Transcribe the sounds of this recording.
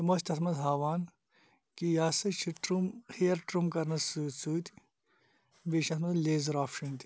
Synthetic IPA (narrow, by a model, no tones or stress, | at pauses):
t̪ɐmoːʃt̪ʰɐsmɐzɦaːʋaːn | kijaːsɐt͡ʃʰiʈɾumxeɐɾʈɾumkɐɾnɐsusuːt̪i̥ | beːʃɐsmɐzleːzɐɾaːfʃɐnt̪i̥